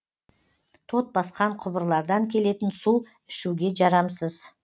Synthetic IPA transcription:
t̪ʰo̞t̪̚bɑsqɑɴqʰʊbəɾlˠɑɾd̪ɑŋkʲʰe̞le̞t̪ɪnsu | ɪʃuɡʲe̞ʒɑɾɑmsəz̥

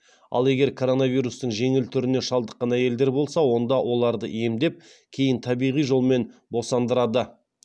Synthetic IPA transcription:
ɑ̰lˠe̞ɡʲe̞ɾkʰo̞ɾo̞nɑvijɾust̪əɴʒe̞ŋɪlt̪ʰʏɾɪne̞ʃɑlˠd̪əqːɑnæje̞ld̪e̞ɾbo̞lˠsɑwo̞nd̪ɑwʔo̞lˠɑɾd̪əʔje̞md̪e̞p̚ | kʲʰe̞jɪnt̪ʰɑbijʁijʒo̞lˠme̞nbo̞sɑnd̪əɾɑd̪ə

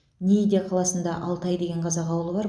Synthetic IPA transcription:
nʲiid̪ʲqʰɑlˠɑsənd̪ɑʔɑlˠt̪ɑjd̪e̞ɡʲe̞ɴqʰɑzɑqɑwəlˠəbɑɾ

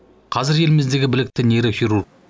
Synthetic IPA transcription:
qʰɑzɪɾe̞lɪmɪzd̪e̞ɡʲɪbɪlɪk̚t̪ɪne̞ɾɪxʲiɾur

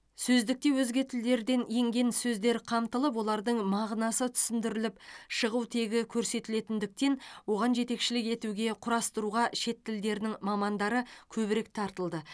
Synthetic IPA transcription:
sɵzd̪ɪk̚t̪e̞wɵzɡʲe̞t̪ʰɪld̪e̞ɾd̪e̞nijɪŋɡʲe̞nsɵzd̪e̞ɾqʰɑmt̪əlˠəp̬wo̞lˠɑɾd̪əɴmɑʁnɑsət̪ʰʏ̥sɪnd̪ɪɾɪlɪpʃəʁuwt̪ʰe̞ɡʲɪkʲʰɵɾse̞t̪ɪle̞t̪ɪnd̪ɪk̚t̪e̞nwo̞ʁɑnʒe̞t̪e̞kʃɪlɪke̞t̪uɡʲe̞qʰʊɾɑst̪əɾuʁɑʃe̞t̪ːɪld̪e̞ɾɪnɪŋmɑmɑnd̪ɑɾəkʲʰɵβɪɾe̞k̚t̪ʰɑɾt̪əlˠd̪ə

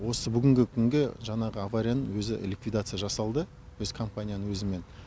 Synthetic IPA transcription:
wo̞səbʏɡʲɪŋɡʲɪkʲʰʏŋɡʲɪʒɑɴɑʁəavaɾʲijanəɴwɵzɪlʲikvijd̪at̪sɨjaʒɑsɑlˠd̪ə | wɵz̥kʰo̞mpanʲijanəŋwɵzɪme̞n

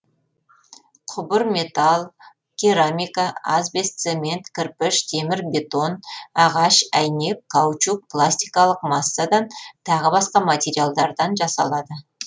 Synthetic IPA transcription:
qʰʊbəɾmʲe̞t̪alˠ | kʲʰiɾamʲijkaazbe̞st̪semʲe̞nt̪kʲʰɪɾpɪʃt̪ʰe̞mɪɾbʲe̞t̪o̞nɑʁɑʃæjne̞p̚kʰawt͡ʃuk̚pʰlˠasʲt̪ijkɑlˠəqmɑsːad̪ɑnt̪ʰɑʁəbɑsqɑmat̪ʲe̞ɾijalˠd̪ɑɾd̪ɑnʒɑsɑ̰lˠɑd̪ə

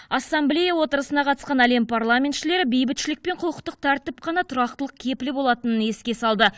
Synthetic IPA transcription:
ɑsːamblʲe̞jawo̞t̪əɾəsənɑqʰɑt̪əsqɑnæle̞mpʰarlˠamʲe̞nt̪ʃɪle̞ɾɪbe̞jbɪt̪ʃɪlɪk̚pe̞ɴqʰʊəqt̪əq̚t̪ʰæɾt̪ɪp̚qʰɑnɑt̪ʰʊɾɑqt̪əlˠəq̚kʲʰe̞pɪlɪbo̞lˠɑt̪ənəne̞skʲe̞sɑlˠd̪ə

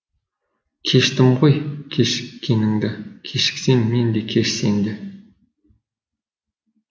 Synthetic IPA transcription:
kʲʰeʃt̪ɪmʁojkʲʰeʃɪ̥kʲːenɪŋd̪ɪkʲʰeʃɪ̥ksenːend̪ekʲʰeʃsend̪e

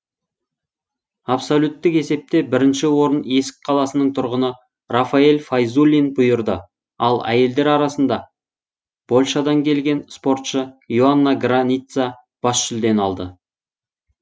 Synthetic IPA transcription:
apsolʲut̪ːɪke̞se̞p̚t̪e̞bɪɾɪnʃɪwo̞ɾəne̞sɪ̥k̚ʲqʰɑlˠɑsənəɴt̪ʰʊɾʁənə | rafaelʲfajzulʲinbʊjəɾd̪ə | ɑlˠæ̰je̞ld̪eɾɑɾɑsənd̪ɑ | b̥o̞lʲˠʃɑd̪ɑŋkʲʰe̞lɡʲe̞nspo̞ɾt̪ʃəjuanːaɡranʲit̪sa | b̥ɑsʃʏld̪e̞nɑlˠd̪ə

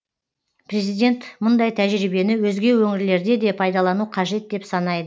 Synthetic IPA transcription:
pʰre̞zijd̪ʲe̞nt̪mʊnd̪ɑjt̪ʰæʒɾibe̞nɪwɵzɡʲe̞wɵŋɪɾle̞ɾd̪e̞d̪e̞pʰɑjd̪ɑlˠɑnuqʰɑʒe̞t̪̚d̪e̞psɑnɑjd̪ə

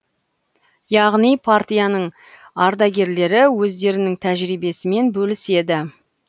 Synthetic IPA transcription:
jɑʁnijpʰaɾt̪ijanəɴ | ɑɾd̪ɑɡʲe̞ɾle̞ɾɪwɵzd̪e̞ɾɪnɪŋt̪ʰæʒɾibe̞sɪme̞nbɵlɪse̞d̪ɪ

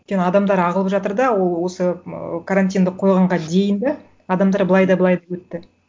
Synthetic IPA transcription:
kʲenɪɑd̪ɑmd̪ɑɾɑʁəlˠəpʒɑt̪əɾd̪ɑwo̞lˠwo̞səkʰaɾant̪̬ʲijnd̪ɪqʰo̞jʁɑɴʁɑd̪e̞jɪnd̪ɪ | ɑd̪ɑmd̪ɑɾbəlˠɑjd̪ɑbəlˠɑjd̪ɑwɵt̪ːɪ

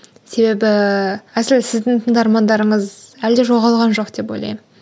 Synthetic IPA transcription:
se̞be̞bɪæsɪlsɪzd̪ɪŋt̪ʰəɴd̪ɑɾmɑnd̪ɑɾəɴəzæld̪eʒo̞ʁɑlˠʁɑnʒo̞qd̪̥e̞p̬o̞̰jlˠɑ̰jmən

